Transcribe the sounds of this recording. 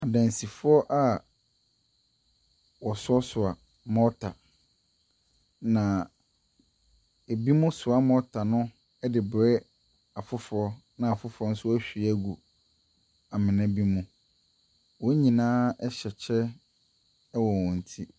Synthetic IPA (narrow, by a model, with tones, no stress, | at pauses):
a˨dã˨n˨si˨fʊ˦ɔ˦ʔa˦ | wɔ˨sʊ˦ɔ˦sʊ˨a˨ | mɔ˦tʰa˨ | nã˨ | e˨bi˦mʊ̃˦sʊ˨a˦mɔ˦tʰa˨nʊ̃˦ | ɛ˦dɪ˨bɾɛ˦ | a˨fʊ˦fʊ˨ɔ˦nã˨a˨fʊ˦fʊ˨˦ɔ˦n̩˦sʊ˦wɔ˦æ˦ɕᶣi˨æ˦ɡu˨ | a˨mɪ̃˨nã˦bi˦mũ˦ | wɔ˦ɲĩ˨nãː˦ɛ˦ɕɛ˨t͡ɕʰɛ˦ | wɔ˨wɔ̃˨n̩˨tʰi˦